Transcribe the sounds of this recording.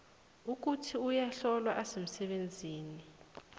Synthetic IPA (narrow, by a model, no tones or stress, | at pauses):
uk̬utʰiujaɬɔlwaʔasem̩sɛɓend͡zʱiːni